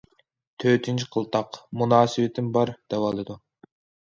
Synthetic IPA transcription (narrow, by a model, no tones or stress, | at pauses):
t̪ʰøt̪ʰynt͡ʃʰi̥qʰəlˠt̪ʰɑqmunɑːsɨwɪt̪ʰɪmbɑɾd̪̥ɛwɑlˠɨd̪u